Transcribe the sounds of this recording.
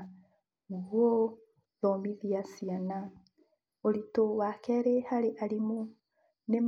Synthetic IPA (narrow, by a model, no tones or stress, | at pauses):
ɣwo | ðɔmiðiasiana | oɾitowakɛɾehaɾeʔaɾimo | nem